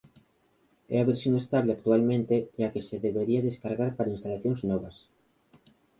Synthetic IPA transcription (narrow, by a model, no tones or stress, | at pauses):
ɛ̰aβeɾsjoŋest̪aβleak̚t̪ualmẽnt̪eakeseðeβeɾiɐðeskaɾɣaɾpaɾainst̪alaθjoŋznɔβɐs